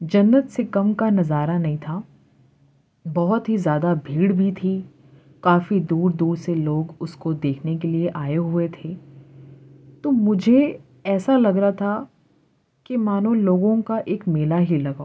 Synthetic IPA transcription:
d͡ʒɐnːət̪sekɐmkanɐzaːɾanɐɦĩt̪ʰaː | bɐɦʊt̪ɦizjaːd̪abʱiːɽbʱit̪ʰi | kaːfid̪uːɾd̪uːɾseloːɡʊskod̪eːkʰnekelieʔaːeɦuet̪ʰeː | t̪oːmʊd͡ʒʱe | ɛːsalɐɡɾaat̪ʰa | kemaːnõloːɡõkaʔeːkmeːlaɦilɐɡaː

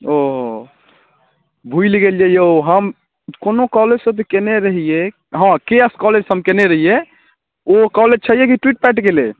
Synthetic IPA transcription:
oɦo | bʱuilɡeljɛjoɦəm | konokɔled͡ʒsəbt̪ekeneɾəɦije | ɦãkeskɔled͡ʒsəmkeneɾəɦije | okɔled͡ʒt͡ʃʰəijekiʈwiʈ̚pɛʈkele

